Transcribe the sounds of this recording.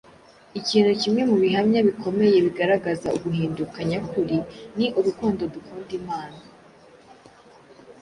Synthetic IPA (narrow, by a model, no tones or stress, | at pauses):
iciːn̥hucimŋe̞muβiɦamɲaβiko̞me̞je̞βiɡaɾaɡaza̰uɡuɦiːndukaɲakuɾiniʔuɾukuːndo̞dukuːndimaːna